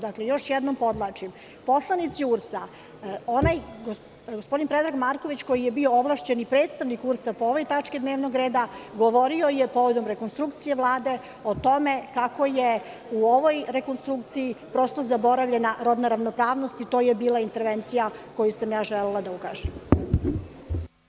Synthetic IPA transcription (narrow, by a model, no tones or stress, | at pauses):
d̪aklejo̞ʃjɛd̪nompo̞d̪lˠat͡ʂim | po̞slˠanit̪siuɾsa | onajɡo | ɡospo̞d̪inpɾed̪ɾaɡmaɾko̞ʋit͡ɕko̞jijebio̞oʋlˠaʃt͡ɕe̞nipɾe̞ːt̪st̪aʋnikuɾsapooʋo̞jt̪at͡ʂkid̪neːʋno̞ɡɾeːd̪aɡo̞ʋo̞ɾio̞jepo̞ʋo̞d̪o̞mɾekonst̪ɾukt̪sijeʋlˠaːd̪e̞ | ot̪o̞me̞kako̞je | uoʋo̞jɾe̞ko̞nst̪ɾukt̪sijipɾo̞st̪o̞zabo̞ɾaʋʎʲe̞naɾo̞d̪naɾaʋnopɾaːʋnost̪it̪o̞jebiːlˠaint̪e̞ɾʋent̪sijako̞jusamjaːʒelelˠad̪aukaːʒɛm